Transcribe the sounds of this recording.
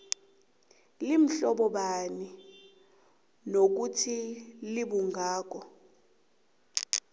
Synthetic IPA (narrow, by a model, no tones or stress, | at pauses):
lim̩ɬɔɓɔɓani | nok̬utʰiliɓuŋʱaːk̬ɔ